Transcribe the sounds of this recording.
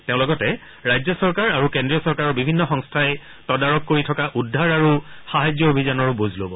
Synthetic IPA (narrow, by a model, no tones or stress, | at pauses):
teʊ̃lɔɡɔtɛ | ɹajd͡ʑzɔsɔɹkaɹaɹukendɹijɔsɔɹkaɹɔɹbibʱinːɔxɔŋstʰajɛ | tɔdaɹɔkːoɹitʰɔkaʔudʱːaɹaɹuxaɦajzjɔobʱizanɔɹbozlobɔ